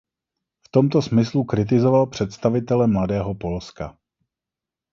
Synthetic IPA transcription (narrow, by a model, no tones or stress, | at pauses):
ft̪o̞mt̪o̞smɪslukɾɪt̪̬ɪzo̞valpr̝̥ɛt̪st̪avɪt̪ɛlɛmladɛːɦo̞po̞lska̰